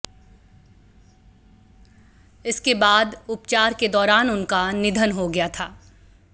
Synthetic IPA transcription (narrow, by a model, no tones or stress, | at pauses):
ɪskebaːd̪ʊpt͡ʃaːɾked̪ɔːɾaːnʊnkanɪd̪ʱənɦoɡɐjat̪ʰaː